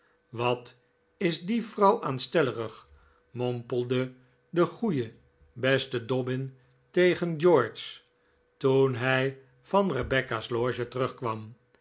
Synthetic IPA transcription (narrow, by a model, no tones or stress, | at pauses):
ʋɑt | ɪzdivrʌwʔaːnstɛləʁəχ | mɔmpəlˠdə | dəχujə | bɛstədɔbɪn | tejχənd͡ʒɔɹs | tunɦɛj | v̥ɑnrəbɛkasloːʒətərɵχkʋɑm